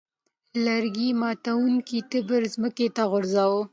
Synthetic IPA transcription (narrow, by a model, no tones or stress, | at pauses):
laɾɡimɑt̪awuŋkit̪ɪbəɾzməket̪aɣʊɾzawo